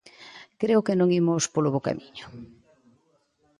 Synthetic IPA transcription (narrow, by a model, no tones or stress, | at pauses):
kɾeʊkenõŋimʊspoloβoka̰miɲʊ̥